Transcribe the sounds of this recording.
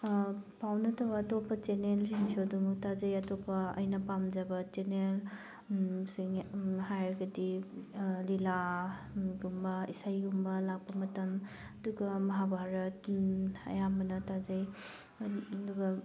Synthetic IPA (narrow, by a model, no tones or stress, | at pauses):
pawnɐtʰɐwatopːɐt͡ʃenelɾiŋsoduŋtad͡ʒɐjɐtʰopɐɐ̰jnɐpamd͡ʒɐbɐt͡ʃenel | siŋɦajɾɐɡɐdi | lila | ɡumbɐisajɡumbɐlak̚pɐmɐtɐm | ɐduɡɐmɐɦabʱaɾɐtɐ̰jambɐnɐtazɐj | duɡɐ